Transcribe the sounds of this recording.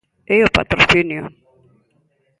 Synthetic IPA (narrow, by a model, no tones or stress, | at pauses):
eopa̰t̪ɾoθinjo